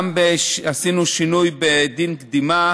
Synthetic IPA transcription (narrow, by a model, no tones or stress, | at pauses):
mbeasinuʃinujbed̪inkd̪ima